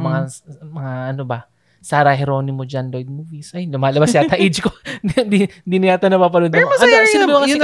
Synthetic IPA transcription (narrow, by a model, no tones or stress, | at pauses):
mɐŋamɐŋaɐnobɐ | saːɾɐɦɛɾo̞ːnɪmod͡ʒanlojd̪̚muvisʔɐjomɐlɐbassaɐʔɪd͡ʒkod̪id̪inɪaːt̪ɐnɐpapɐnʊnd̪ɐmoʔɐnosɪmɐjmɐŋa